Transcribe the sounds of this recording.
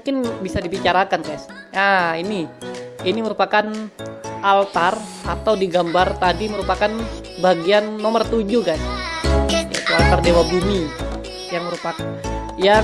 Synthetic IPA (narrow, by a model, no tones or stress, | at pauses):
mukɪnbisadibit͡ʃaɾakankajs | ainiiniməɾupakan | alt̪ar | at̪awdiɡambart̪adiməɾupakan | baɡianːomərt̪ud͡ʒuɡajs | ja̰it̪ualt̪ardewabumi | jaŋməɾupak | ja